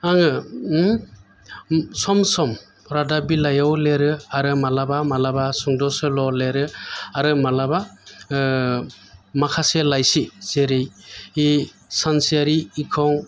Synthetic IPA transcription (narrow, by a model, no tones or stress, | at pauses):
aŋɯ | sɔmsɔm | ɾadabilajawleɾɯaɾɯmalabamalabasuŋdɔsɯlɔleɾɯaɾɯmalaba | makʰaselajsizeɾeji | sansiaɾiːkʰɔŋ